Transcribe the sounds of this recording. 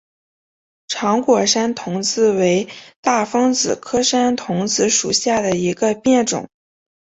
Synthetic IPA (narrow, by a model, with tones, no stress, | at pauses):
ʈ͡ʂʰɑ˧˥ŋkwɔ˨˩ʂa˥nt̪ʰʊ˧˥ŋt͡sɹ̩˥˩we˧˥ɪt̪a˥˩fɤ˥ŋt͡sɹ̩˨˩kʰɤ˥ʂa˥nt̪ʰʊ˧˥ŋt͡sɹ̩˧˥ʂu˨˩ɕja˥˩d̪ə˩i˧˥ɡə˧pjɛ˥˩nʈ͡ʂʊ̰˨˩˦ŋ